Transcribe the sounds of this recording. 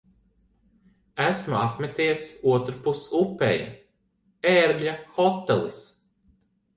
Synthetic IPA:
æsmuapmʲɛt̪iɛsuɔt̪ɾupusupːɛ̰ja̰ | eɾɡʎʲaxɔt̪ːelˠḭs

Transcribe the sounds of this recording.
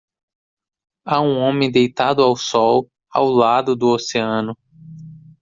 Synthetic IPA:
aũõmẽj̃d̪ejt̪ad̪ʊawsɔw | a̰wlad̪ʊd̪ʊoseɐ̃nʊ

